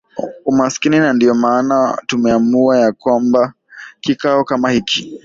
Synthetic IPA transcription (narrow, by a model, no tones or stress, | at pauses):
umaskininandiɔmaːnatumɛamuajakwamba | kikaɔkamahikʰi